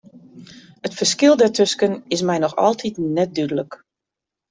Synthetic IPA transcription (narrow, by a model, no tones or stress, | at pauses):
ətfərskɪlˠdɛɹtʰøskənɪsmɛjnɔxɔ̰lˠtʰitnɛt̚dydələk